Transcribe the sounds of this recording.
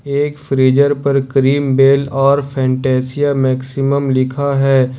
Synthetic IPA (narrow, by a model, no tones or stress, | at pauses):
eːkfɾiːd͡ʒəɾpɐɾkɾiːmbeːlɔːɾfʰɛ̃ːɳʈɛːsijamɛːksɪməmlɪkʰaɦɛː